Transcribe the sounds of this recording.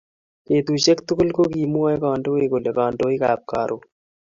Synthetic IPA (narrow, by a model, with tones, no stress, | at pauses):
ke˨t̪u˨t͡ʃe˦ktʊ˦kʊ˦lko˦kiː˨mwa˦jkɔː˨ndo˦e˦ko˨le˨kaː˨ndo˦i˦kaː˨p̚ka̰˨ɾʔo˨